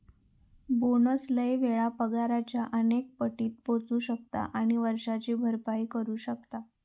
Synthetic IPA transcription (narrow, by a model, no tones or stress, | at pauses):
bonəsləjʋeɭapəɡaɾat͡ɕjaʔənek̚pəʈiːt̪̚pot͡suːɕək̚t̪a̰ʔaɽ̃iʋəɾʂat͡ɕiːbʱəɾpaikəɾuːɕəkt̪a